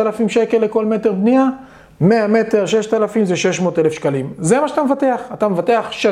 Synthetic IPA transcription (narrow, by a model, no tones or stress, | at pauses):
alafimʃeke̞lːeko̞lmete̞ʁbnia | meame̞te̞ʁʃe̞ʃt̪alafimzeʃeʃmo̞ːt̪elefʃkalimzemaʃat̪amvat̪e̞aχat̪amevate̞aχʃe